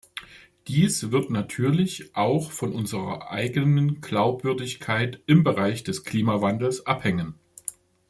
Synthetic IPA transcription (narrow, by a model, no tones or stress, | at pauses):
d̥iːsv̥ɪɐtnatʰyːɐlɪçʔaʊxfɔnʔʊnzəʁɐ̰ʔa̰ɪɡənənɡ̥laʊpv̥ʏɐdɪçkʰaɪtɪmbəʁaɪçd̥ɛskʰl̥iːmavandl̩sʔaphɛŋən